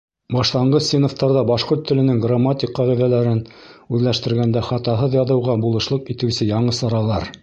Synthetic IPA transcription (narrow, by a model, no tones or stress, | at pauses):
bɑʃlˠɑɴɢɤssʲinŏft̪ɑɾðɑbɑʃqoɾt̪ːɘ̆lɘ̆nɘŋɡramat̪ʲiqːɑʁiðælæɾɘnʉðlæʃt̪ɘ̆ɾɡænd̪æχɑt̪ɑɦɤðjɑðɤ̆wʁɑbulˠɤ̆ʃlˠɤqit̪ɘ̆wsɘjɑɴɤsɑɾɑlˠɑɾ